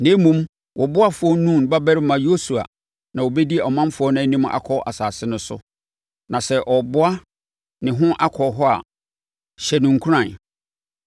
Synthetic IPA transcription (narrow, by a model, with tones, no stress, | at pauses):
nẽ˦mũ˦m | wʔɔ˨bʊ˦a˦fʊ˨˦ɔ˦nũ˦˨n˨ba˦bɛ˦ɾɪ˦mã˨jo˦su˨a̰˨ | nã˨wo˨bɛ˦di˦ɛ˨ɔ˨mã˦m˦fʊ˨˦ɔ˦nã˦˨˦nĩ˦ma̰˨kʰɔ˦ʔa˨saː˨sɪ˦nʊ̃˦sʊ̰˦ | nã˨sɛ˦ʔɔ˨bʊ˦a˦ | nɪ̃˨ɦʊ̃˦ʔa˦kʰɔ˨ɦɔ˦a̰˨ | ɕɛ˨nũ˨ŋ̩˨kʰu˦ã˨n